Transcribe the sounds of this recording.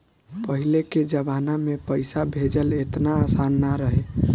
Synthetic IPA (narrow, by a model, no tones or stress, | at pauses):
pəɦileked͡ʒəbanamepəjsabʱed͡ʒəlet̪naːsanːaɾəɦe